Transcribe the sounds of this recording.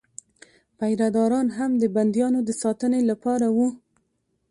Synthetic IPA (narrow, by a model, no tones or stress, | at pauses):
pajɾad̪ɑɾɑnɦamd̪əband̪jɑnod̪əsɑt̪ənelapɑɾawu